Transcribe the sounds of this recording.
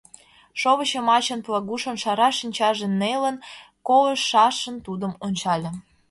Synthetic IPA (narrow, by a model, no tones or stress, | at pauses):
ʃoβə̆t͡ɕĕmɑt͡ɕənplɑɣuʃŏnʃɑɾɑʃinʲt͡ɕɑʒenːelən | koləʃːɑʃənt̪ud̪əmonʲt͡ɕɑlʲĕ